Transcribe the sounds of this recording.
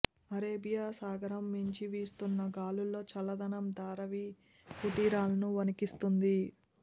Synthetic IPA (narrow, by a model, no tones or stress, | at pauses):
ɐɾeːbijaːsaːɡɐɾɐmːiɲt͡ʃiʋiːst̪unːɐɡaːlulːo̞ːt͡ʃɐlɐd̪ɐnɐmd̪aːɾɐʋi | kuʈiːɾaːlɐnuʋɐnikist̪und̪i